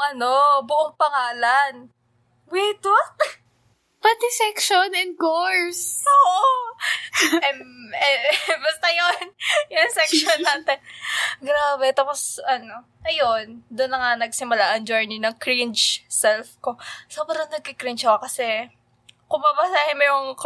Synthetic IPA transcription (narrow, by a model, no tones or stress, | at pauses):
ŋʔɐno̞bʊʔoŋpɐŋaːlɐn | wɛt̪wa | pɐt̪ɪsɛkʃonɛn̚ɡoɹsoːʔo | ɛmɛbɐst̪ɐjonjʊɐŋsɛksonːaːt̪ɛnɡɾaːbɛt̪aːposʔɐno̞ | ʔɐjond̪ʊnlːɐŋanɐɡsɪmʊlaʔɐnd͡ʒojninɐŋkɾint͡ʃsɛlfko̞sobɾɐŋnɐɡ̚kɪkɾint͡ʃɐwɐkɐsɛ | kʊmabɐsaːhɪnmojʊŋ